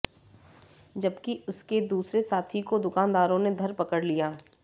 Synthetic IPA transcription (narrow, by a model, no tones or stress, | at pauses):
d͡ʒɐbkiʊsked̪uːsɾesaːt̪ʰikod̪ʊkaːnd̪aːɾõned̪ʱɐɾpɐkəɽlijaː